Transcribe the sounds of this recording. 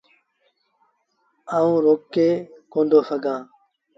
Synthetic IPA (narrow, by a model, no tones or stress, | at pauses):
aːũːɾoːkːeːkõːnd̪ʱoːsəɡʱãː